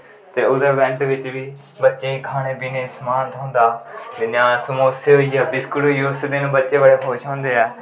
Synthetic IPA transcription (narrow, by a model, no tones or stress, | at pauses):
t̪eːʊd̪əːʋɛ̃ɳʈʋɪt͡ʃʋiː | bətːʃẽːiːkʰaːɽ̃eːbiːneːsmaːnt̪ɦõːnd̪aːd̪ɪnãːsmoːseːɦoːiːɛːbɪskʊloːioːsd̪ɪñːbətːʃeːbaːɽeːpʰoːʃõːnd̪eːɛː